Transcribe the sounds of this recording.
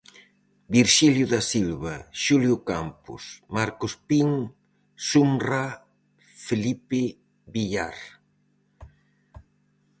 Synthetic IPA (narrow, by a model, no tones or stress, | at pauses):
biɾʃiljʊðasilβaʃuljʊkampʊ̰smaɾkospiŋ | sumra | felipe | βiʎaɾ